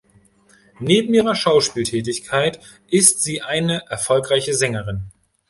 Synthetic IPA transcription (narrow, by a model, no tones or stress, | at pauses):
neːbm̩iːʁɐʃaʊʃpiːltʰɛːt̬ɪçkʰaɪt | ʔɪstz̥iːʔaɪnəʔɛɐfɔlkʁ̥aɪçəzɛŋəʁɪn